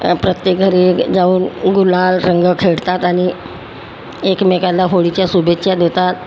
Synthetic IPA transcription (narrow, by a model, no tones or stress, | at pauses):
pɾət̪jek̚ɡʱəɾed͡zauːnɡulalɾəŋɡəkʰeɽt̪at̪aɽ̃i | ekmekalaɦoɭit͡ɕjasubekt͡ɕad̪et̪at̪